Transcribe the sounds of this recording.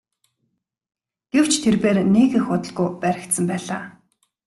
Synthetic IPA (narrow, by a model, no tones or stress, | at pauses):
ɡ̥ew̥t͡ɕʰt̪ʰerpeːrneːɣĕxʊt̪ə̆ɮɣujpæɾʲɪ̆kt̪sə̆mpæːɮaː